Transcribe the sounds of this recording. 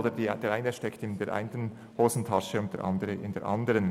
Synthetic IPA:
dədd̥eːɾʔaɪnəʃtɛktɪndeːɾʔa̰ɪntən | hoːzn̩tʰɑʃəʊnt̚d̥ḛːɾʔɑ̰ndəʁəʔɪndeːɐɾʔɑ̰ndəʁən

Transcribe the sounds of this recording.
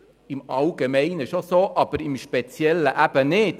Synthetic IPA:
ɪmɑwɡemɛɪnəʃosoːʔɑb̥əɾɪmʃpɛt͡sjɛlːəʔæb̥ənɪd

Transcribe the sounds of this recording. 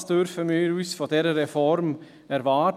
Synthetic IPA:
sd̥̪øɾfəmeːɾʉsfɔd̥eɾəɾɛfɔɾm | æɾʋɑː

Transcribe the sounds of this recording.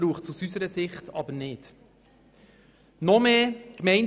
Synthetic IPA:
ɾuːχtsusysəɾəsɪχtʰɑ̰bəɾnɪd̥ | nɔmeːkmɛɪn

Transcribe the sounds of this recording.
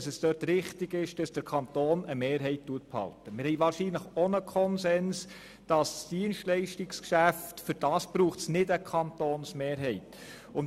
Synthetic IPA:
sɛsd̥œːɾtɾɪχtɪɡɪʃd̥ɑsd̥əɾkʰɑnt̪oːnəmeːɾɦɛɪttuət̚phɑ̰ltəmɪɾhɛɪʋɑːɾʃiːnləχonəkʰɔnsɛns | d̥ɑssd̥iənʃtlɛɪʃtɪkskʃæftfʏɾd̥ɑːsb̥ɾuːχtsnɪdəkʰɑntoːnsmeːɾɦɛɪt | ʊn

